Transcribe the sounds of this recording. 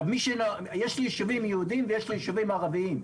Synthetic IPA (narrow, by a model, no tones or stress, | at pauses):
miʃeno | jeʃliʃuvimjehud̪imvejeʃlijʃuvimaːʁaviim